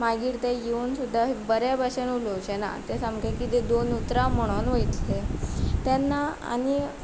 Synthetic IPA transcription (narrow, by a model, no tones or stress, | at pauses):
maɡiːɾt̪ejeuːnsud̪ʱːaɦbəɾabʱaɕənuloɕena̰t̪esamkekit̪ed̪onut̪ɾaməɽ̃onʋəjt̪let̪janːaa̰ñi